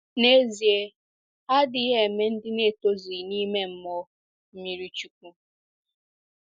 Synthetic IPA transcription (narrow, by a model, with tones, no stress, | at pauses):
ne˦zi˨e˦ | a˦dɪ˨˦ɦe˨me˦n̩˦dɪ˦ne˦˨to˦zi˨ni˦me˦m̩˦mɔ˦ | m̩˦mi˨ɾi˦t͡ʃu˨k̚ʷu˦